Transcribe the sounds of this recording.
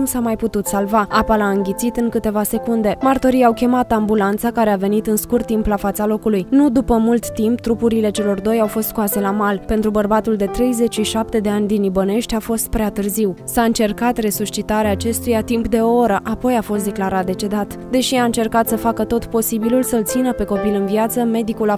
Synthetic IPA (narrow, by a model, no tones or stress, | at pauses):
usamajput̪ut̪salvaapalaɨŋɡʲit̪sit̪ɨŋkɨt̪e̞vase̞kund̪e̞mart̪oɾijawkʲe̞mat̪ambulant̪sakaɾe̞ave̞nit̪ɨnskurt̪ːimplafat̪salo̞kulujnud̪upəmult̪ːimpt̪ɾupuɾile̞t͡ʃe̞lo̞rd̪o̞jawfo̞st̪koase̞lamalpe̞nt̪ɾubərbat̪uld̪e̞t̪ɾe̞jze̞t͡ʃʃiʃap̚t̪e̞d̪e̞anʲd̪inibəne̞ʃt̪ʲafo̞st̪̚pɾeat̪ɨrziwsaɨnt͡ʃe̞rkat̪re̞sust͡ʃit̪aɾeaːt͡ʃe̞st̪ujat̪impd̪e̞ooɾəʔapo̞jafo̞st̪d̪e̞klaɾat̪̚d̪e̞t͡ʃe̞d̪at̪d̪e̞ʃiaɨnt͡ʃe̞rkat̪səfakət̪ot̪po̞sibilulsəɨlt̪sinəpe̞ko̞pilɨnviat̪səme̞d̪ikula